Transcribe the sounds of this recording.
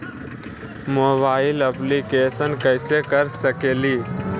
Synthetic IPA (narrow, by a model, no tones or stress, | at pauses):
moːbaːɪləplikeːsənkəɪsekəɾsəkeːliː